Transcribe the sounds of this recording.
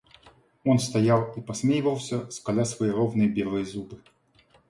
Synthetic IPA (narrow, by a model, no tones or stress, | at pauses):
ɔnst̪ajawipɐsʲmʲejivɐwsʲɐskalʲasvɐjeɾɔwnɨjɐbʲɛlˠɨjɐzubɨ